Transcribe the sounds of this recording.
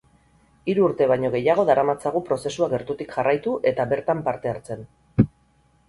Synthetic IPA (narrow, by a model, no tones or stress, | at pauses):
iɾuːɾt̪e̞β̞ajɲo̞ɣe̞jaɣ̞o̞ðaɾamat͡saɣupɾo̞se̞suaɣe̞ɾt̪ut̪ikʝarʔajt̪uʔe̞t̪aβe̞ɾt̪ampaɾt̪e̞aɾt͡se̞n